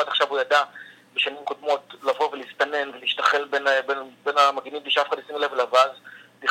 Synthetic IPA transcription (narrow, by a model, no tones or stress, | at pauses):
adaχʃavujada | beʃanimkodmo̞tlavo̞velistane̞nveliʃtaχe̞lbenbenbenamaɡinim̚d̪iʃafχadjasimlevlavazli